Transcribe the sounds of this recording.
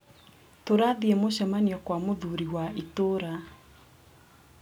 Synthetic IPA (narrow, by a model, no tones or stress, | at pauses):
toɾaðiɛmoɕɛmanijɔkwamoðuɾiwaitoɾa